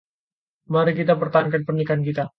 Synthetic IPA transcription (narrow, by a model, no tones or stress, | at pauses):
maɾɛkit̪apərt̪ankanpərnikankit̪a